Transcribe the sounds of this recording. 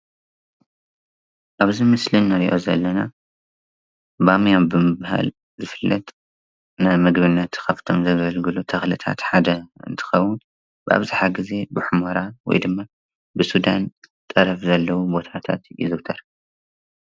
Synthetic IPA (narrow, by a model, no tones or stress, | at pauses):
ʔaβzimɨslɨnːaɾiʔo̰zɐlːɐna | bamijabɨmɨbaha̰l | zɨfɨlːɐt̪ʼ | nɨmɨɡbɨnːɐt̪kɐft̪ʰo̞mzɐβɐlɡɨlut̪ʰɐxlɨt̪ʰa̰t̪ħad̪ɐɨ̰nt̪ʰɨ̥xɐwːʊn | bɨʔa̰βzaħaɡize̞bɨħʊmoɾawɔ̰jd̪ɨmːa | bɨsud̪ant̪ʼɐɾɐfzɐlːɐwubo̞t̪ʰat̪ʰa̰t̪jɪ̰zɨt̪ʰɐɾ